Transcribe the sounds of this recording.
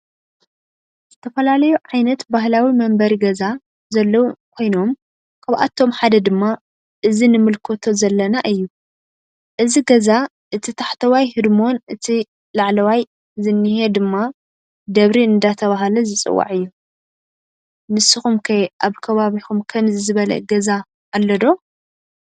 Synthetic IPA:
z̥ɨt̪ʰɐfɐlalɐjuʕajnɐt̪baɦlawimɐmbɐɾiɡɐza | zɐlːɐwkʰo̞jno̞m | kʰɐβʔa̰t̪ʰːo̞mħad̪ɐd̪ɨmːa | ʔɨzinɨmɨlkʰot̪ʰo̞zɐlːɐnaʔɨjːu | ʔɨziɡɐza | ʔɨt̪ʰit̪ʰaħt̪ʰɐwajhɨd̪mo̞nɨt̪ʰi | laʕlɐwaj | zɨnːɨhed̪ɨmːa | d̪ɐβɾiɨnd̪at̪ʰɐβaɦɐlɐzɨt͡sʼɨ̰wːa̰ʕɨjːu | nɨsːɨxumkʰɐjʔaβkʰɐβaβixumkʰɐmzɨzɨβɐlɐ̰ɡɐzaː | lːɐd̪o̞

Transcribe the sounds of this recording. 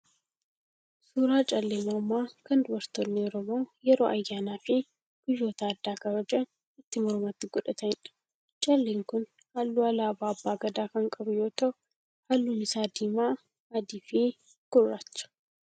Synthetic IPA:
suːɾaːt͡ʃʼɐlːeːmɔmaːkɐnd̪ʊwɐɾt̪ɔnːɪɔɾɔmo̞ːjɛɾoːʔɐjːaːnaːfɪ | ɡ̥ʊjo̞ːt̪ɐːd̪ːaːkɐbɐd͡ʒɐ | ɪt̪ːɪmɔɾmat̪ːɪɡʊᶑɐt̪ɐɪnɐ̥ | t͡ʃʼɐlːeːŋkʊn | halːuːɐlɐːbaːbːaːɡɐd̪aːkɐŋkʼɐbʊjoːt̪ɐʊ | halːuːnɪsaːd̪iːmaː | ɐd̪iːfi | ɡ̥ʊrːat͡ʃːɐ̥

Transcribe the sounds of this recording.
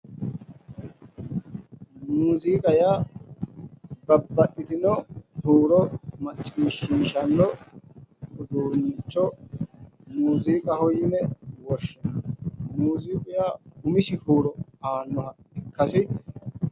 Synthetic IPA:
muːziːkʼɐjaː | bɐbːɐt̪ʼːɪt̪ɪnɔhuːɾɔmɐt͡ʃʼːɪimɪʃiːʃɐnːɔ | ʊd̪uːnɪt͡ʃːɔ | muːziːkʼɐhɔjɪnɛwɔʃːɛmuːziːkʼʊjaɡʊmɪʃɪhuːɾɔaːnːɔhɐ | ɪkːɐsɪ

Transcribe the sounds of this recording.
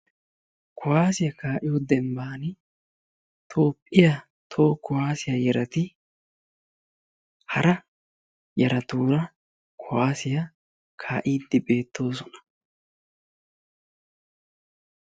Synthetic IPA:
kʰʊwaːsɪjɐkaːʔɪjod̪ɛmbaːnɪ | t̪ʰo̞ːpʼːɪjɐ | t̪ʰo̞ːkʊwaːsɪjɐjɛɾɐt̪ɪ | hɐɾɐ | jɛɾɐt̪uːɾɐ | kʰʊwaːsɪjɐ | kʰaːʔiːd̪ːɪbe̞ːt̪ːo̞ːs̬ɔnɐ̥

